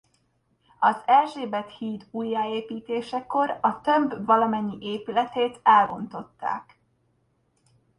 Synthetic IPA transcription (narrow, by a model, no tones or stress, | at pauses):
ɒzɛlʒeːbɛt̪hiːd̪uːjːaːeːpiːt̪eːʃɛko̞ɾɒt̪ø̞mbvɒlɒmɛɲːiʔeːpylɛt̪eːt̪ɛlbo̞nt̪o̞t̪ːa̰ːk